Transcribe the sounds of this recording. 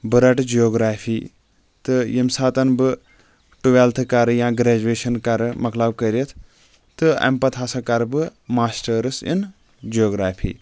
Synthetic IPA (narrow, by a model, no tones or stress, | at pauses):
bɨɾɐʈd͡ʒijoːɡɾaːpʰiː | t̪ɨjimsaːt̪ɐnbɨ | ʈuʋelt̪ʰɨkaɾjãːɡɾeːd͡ʒueːʃɐnkɐɾɨmɐklɐbkəɾjet̪ʰ | t̪ɨɐ̰mpɐt̪ʰasɐkɐɾbɨmaːsʈɐɾɨsḭn | d͡ʒioːɡɾaːpʰḭː